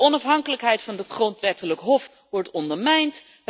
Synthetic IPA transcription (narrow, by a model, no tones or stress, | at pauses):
ɔnɑfɦɑŋkələkɦɛjtfɑndɑtχrɔntʋɛtələkɦɔf | ʋɔɹtɔndəɹmɛjnt